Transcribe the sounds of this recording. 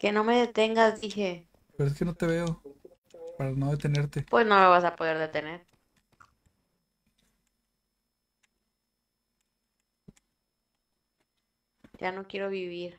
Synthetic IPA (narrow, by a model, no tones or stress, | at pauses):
ke̞no̞me̞ðe̞t̪e̞ŋɡazd̪ixe̞ | peɾoes̬keno̞t̪eβeo | paɾanoðet̪e̞ne̞ɾt̪epwe̞zno̞me̞β̞asapo̞ð̞e̞ɾðe̞t̪e̞ne̞ɾ | d͡ʒano̞kje̞ɾo̞βiβiɾ